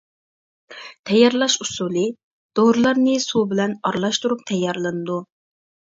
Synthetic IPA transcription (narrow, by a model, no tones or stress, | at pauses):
t̪ʰɛjːɑɾlˠɑʃusulˠɨ | d̪̥oɾlˠɑɾnɨsubɪlɛnɑɾlˠɑʃt̪uɾup̚t̪ʰɛjːɑɾlˠɨnɨd̪u